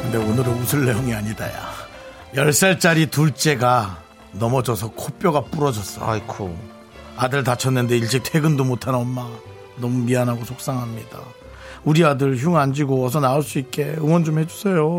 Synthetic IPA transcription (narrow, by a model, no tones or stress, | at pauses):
kɯnde̞onɯɾɯnusʰɯɭːejoŋiaɲida̰ja̰ | jʌɭs͈aɭt͡ɕ͈aɾituɭt͡ɕ͈e̞ɡa | nʌmʌd͡ʑʌsʰʌkʰop͈joɡap͈uɾʌd͡ʑʌs͈ʌkʰo̰ | adɯɭtat͡ɕʰʌnːɯnde̞iɭt͡ɕ͈ik̚tʰe̞ɡɯndomotʰannʌmːa | nʌmumianɦaɡosʰok̚s͈aŋɦamɲida̰ | uɾiadɯɭçjuŋand͡ʑiɡoʌs̬ʰʌnaoɭs͈uit̚k͈e̞ɯŋwʌnd͡ʑomhe̞d͡ʑusʰe̞jo